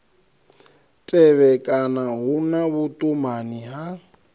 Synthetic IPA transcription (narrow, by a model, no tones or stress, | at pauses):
tʼɛβɛkʼanaɦunaβutʼumaniɦa